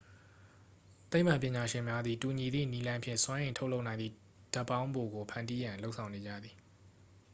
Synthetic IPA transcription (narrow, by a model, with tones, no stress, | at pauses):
t̪e˦ɪʔm̥ã˨pjɪ̃˨ɲa˨ʃɪ̃˨mja˦d̪ði˨tu˨ɲi˨d̪ðḭ˦˨ni˦lã˦ɪ̃mpʰjɪ̰̃˦˨swã˦ʔẽ˨tʰo˦ʊʔlo˦ʊʔnã˨ɪ̃nd̪ḭ˦˨ | d̥a˦pːã˦ʊ̃mbo˨ɡo˨pʰã˨ndi˦jã˨nlo˦ʊʔsʰã˨ʊ̃ne˨d͡ʑä̰˦˨d̪ði˨